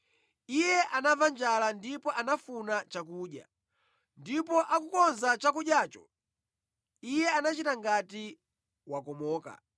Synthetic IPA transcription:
ijɛʔanavand͡ʒalandipɔʔanafunat͡ʃakuːɗja̰ | ndipɔʔakukɔnzat͡ʃakuɗjaːt͡ʃɔ | ijɛanat͡ʃitaŋɡati | wakɔmɔːka̰

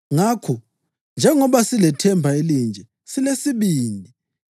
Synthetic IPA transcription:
ŋakʰɔ | nd͡ʒʱɛŋɔβasilɛtʰɛmbʱaelind͡ʒʱɛ | silesiβiːndʱi

